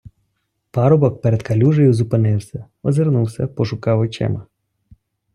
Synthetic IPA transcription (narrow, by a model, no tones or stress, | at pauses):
pɑɾɔbɔk̚pɛɾed̪kɐlʲuʒɔjʊzʊpɪnɪwsʲɐ | ɔzeɾnuwsʲɐpɔʃʊkɑwɔt͡ʃɛ̰mɐ